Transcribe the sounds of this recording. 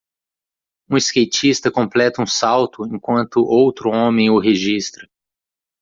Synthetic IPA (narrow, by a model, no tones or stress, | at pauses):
ũiskejt͡ʃist̪ɐkõmplɛt̪ɐũsawt̪ʊẽkwɐ̃nt̪ʊʔowt̪ɾʊõmẽj̃ʊɦeʒist̪ɾɐ